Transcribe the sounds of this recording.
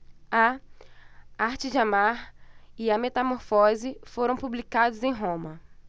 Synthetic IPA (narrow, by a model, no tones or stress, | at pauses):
ɐ | aɾt͡ʃɪd͡ʒamaɾɪɐmet̪amoɾfɔzɪfoɾɐ̃w̃publikad̪ʊzẽj̃ɦõmɐ